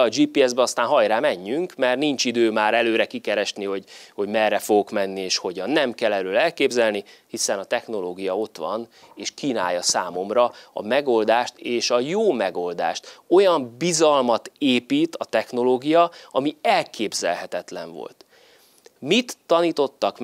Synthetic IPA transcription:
ɒd͡ʒiːpiːɛzbɛɒst̪aːnɦɒjraːmɛɲːyŋkmɛrniɲt͡ʃid̪øːmaːɾɛløːɾɛkikɛɾɛʃniho̞ɟho̞ɟmɛrːɛfo̞ɡo̞kmɛnːieːʃho̞ɟɒnːɛmkɛlɛɾøːlɛlkeːbzɛlnihisɛnɒt̪ɛxno̞loːɡijɒo̞t̪ʋɒ̰neːʃkiːna̰ːjːɒsaːmo̞mrɒɒ̰mɛɡo̞ld̪aːʃt̪eːʃɒjoːmɛɡo̞ld̪a̰ːʃt̪o̞jɒmbizɒlmɒt̪eːpiːt̪ɒt̪ɛxno̞loːɡijɒɒmiɛlkʰeːbzɛ̰lɦɛt̪ɛt̪lɛɱvo̰lt̪ | mit̪ːɒniːt̪o̞t̪ːɒk

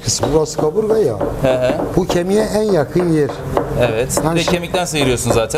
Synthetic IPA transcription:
kʰɯsbuɡasɯ̥kʰabuɾɡajo̰hɛɦɛ̃bucʰemijɛænjakʰɯnjeɾ | evɛt̪anɛcʰemic̚t̪ænsɯjɯɾɯjoɾsunzaːt̪ʰæ

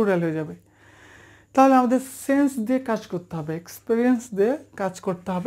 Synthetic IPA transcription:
uɾɛlɦod͡ʒaːbe | t̪aːlamd̪esẽːnsd̪ekɐt͡ʃkɔɾt̪aɦbekspiɾijənsd̪ekɐt͡ʃkɔɾt̪aɦb

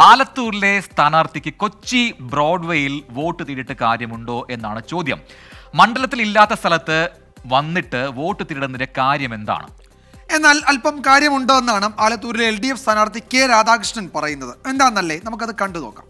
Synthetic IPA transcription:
aːlɐt̪ːuːɾile̞st̪ʰaːnaːrt̪ʰikʲːɨko̞t͡ɕːibro̞ːɖʋejilʋo̞ːʈːɨt̪iɾiʈːɨkaːɾjɐmuɳɖo̞ːʔe̞nːaːɳɨt͡ɕo̞ːd̪jɐ̰mmɐɳɖɐlɐt̪ːililːaːt̪ːɐst̪ʰɐlɐt̪ːɨ | ʋɐnːiʈːɨʋo̞ːʈːɨt̪iɾiɽɐnːiɾekaːɾjɐme̞nd̪a̰ːɳɨ̰ | e̞nːaːlɐlpɐmkaːɾjɐmuɳɖo̞ːe̞nːaːɳɨaːlɐt̪ːuːɾileelɖijefst̪ʰaːnaːrt̪ʰikʲːeːɾaːd̪aːkrɨʂɳɐnpɐrɐjunːɐðɨe̞nd̪aːnɐlːe̞nɐmuk̬ːɐðɨkɐɳɖɨno̞ːkːa̰ːm

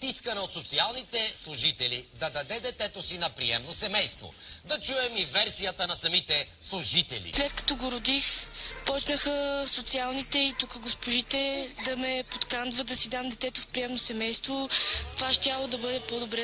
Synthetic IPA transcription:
t̪iskənɛot̪sot̪sialˠnit̪ɛslˠuʒit̪ɛlid̪ɐd̪ɐd̪ɛd̪ɛt̪ɛt̪osinɐpɾiɛmnosɛmɛjst̪vo̰d̪ɐt͡ʃuɛmivɛɾsijət̪ənɐsɐmit̪ɛslˠuʒit̪ɛlʲḭslɛt̪kɐ̥t̪ɔɡoɾʊd̪ixpɔt͡ʃnəxəsot̪sialˠnit̪ɛit̪ukəɡospʊʒit̪ɛd̪ɐmɛpot̪kand̪vəd̪ɐsid̪amd̪ɛt̪ɛt̪ofpɾiɛmnosɛmɛjst̪vot̪ovaʃt̪jalˠod̪ɐbɤd̪ɛpɔd̪obɾɛ

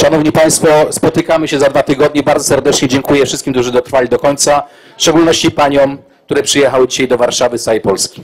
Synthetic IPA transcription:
ʂanɔvɲipaj̃st̪fɔspɔt̪ɘkamɘɕɛzad̪vat̪ɘɡɔd̪̚ɲɛbaɾd̪zɔsɛɾd̪ɛt͡ʂɲɛd͡ʑɛŋkujɛfʂɘst̪kʲimk̪t̪uʐɘd̪ɔt̪ɾfalʲid̪ɔkɔɲt̪sa | fʂt͡ʂɛɡulnɔɕt͡ɕipaɲɔm | kkt̪uɾɛpʂɘjɛxawɘd͡ʑiɕajd̪ɔvaɾʂavɘsaejpɔlskʲi̥

